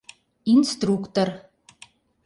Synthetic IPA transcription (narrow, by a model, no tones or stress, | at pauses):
inst̪rukt̪or